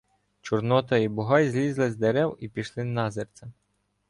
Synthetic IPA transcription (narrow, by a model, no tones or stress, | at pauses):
t͡ʃʊrnɔt̪ɐibʊɦɑjzʲlʲizlˠɪzʲd̪eɾɛwipʲiʃlˠɪnɑzert͡s̪ʲɐ